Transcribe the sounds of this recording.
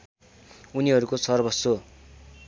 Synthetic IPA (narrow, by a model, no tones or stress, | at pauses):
uniɦʌɾukosʌrbʱʌso